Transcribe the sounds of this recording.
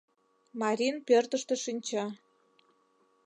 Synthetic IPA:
mɑɾʲinpørt̪ə̆ʃt̪ə̆ʃinʲt͡ɕɑ

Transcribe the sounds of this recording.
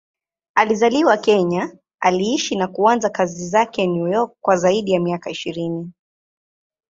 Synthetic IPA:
alizaliwakɛɲa | aliiʃinakuanzakazizakɛnujɔkːwazaiɗijamiakaiʃiɾini

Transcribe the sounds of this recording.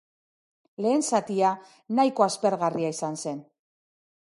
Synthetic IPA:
le̞ːnsat̪ia | najko̞aspe̞ɾɣariaisanse̞n

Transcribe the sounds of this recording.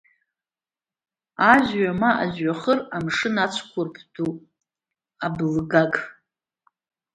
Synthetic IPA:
aʒɥamaʔaʒɥaχəramʂɨnat͡ɕʷʰkʷʰʊrpʰdu | ablɡaɡʼ

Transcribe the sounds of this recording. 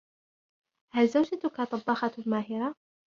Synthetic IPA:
halzawd͡ʒat̪kat̪ˤɑbːɑxɑlmaːɦɪɾa

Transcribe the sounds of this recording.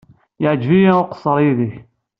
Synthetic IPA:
jəʕd͡ʒvijæʊqə̥sˤːəɾˤjiðiç

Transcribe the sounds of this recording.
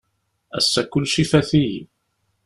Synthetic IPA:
æ̰sːækːʊlːʃifæθij

